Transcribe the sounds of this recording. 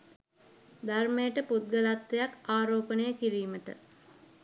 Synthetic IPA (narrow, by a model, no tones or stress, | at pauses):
d̪armejəʈəput̪̚ɡəlat̪ʋejakaːɾoːpənəjəkiɾiːməʈə̰